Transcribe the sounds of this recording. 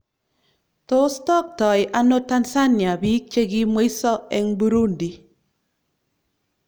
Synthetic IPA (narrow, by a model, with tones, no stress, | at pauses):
to˦stɔ˦k̚tɔ˨jʔa˦no˦ta˦nsa˦nja˨bi˦k̚t͡ʃe˦ɡi˦mwe˦i˦sɔ˦ɛ˦ŋbu˦ɾu˦ndi˨